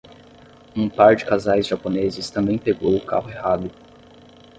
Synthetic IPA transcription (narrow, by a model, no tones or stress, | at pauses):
ũpaɾd͡ʒɪkazajzʒaponezɪst̪ɐ̃mbẽj̃peɡowʊkʰa̰ɦʊeɦad̪ʊ